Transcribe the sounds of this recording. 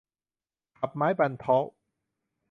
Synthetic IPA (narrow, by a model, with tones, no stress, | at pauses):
kʰa˨˩p̚maː˦˥jpa˧nt̪ʰɔː˦˥w